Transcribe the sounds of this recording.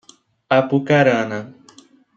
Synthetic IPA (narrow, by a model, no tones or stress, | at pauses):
apukaɾana